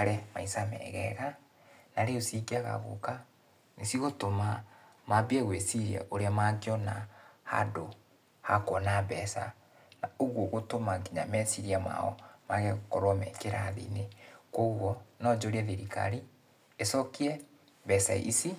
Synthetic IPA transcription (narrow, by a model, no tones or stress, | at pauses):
aɾɛma̰isamɛ̰ɣɛɣa | naɾeosiɡiaɣa̰ɣo̰ka | nesiɣotoma | mabiɛɣwesiɾjɛ̰ʔoɾeamaɡeɔnaha̰do | hakwɔnabɛsa̰ | naoɣwoɣotomaɡiɲa̰mɛsiɾiama̰ɔ̰maɣɛɣokɔɾwamɛ̰keɾaðḭnekoɣwɔnɔd͡ʒoɾiɛðiɾika̰ɾi | esɔkiɛ | βɛsaḭsi